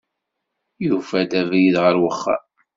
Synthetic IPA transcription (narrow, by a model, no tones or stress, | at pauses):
jufæt̪ævjiðʁəɾwəχːa̰